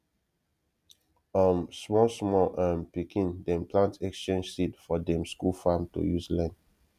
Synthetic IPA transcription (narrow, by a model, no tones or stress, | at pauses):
ɔ̃msmɔsmɔlʔãnpikʰĩndɛ̃mpʰlãntʰɛkst͡ʃẽnd͡ʒsitfɔdɛ̃mskulfamtṵjuslɛ̃nd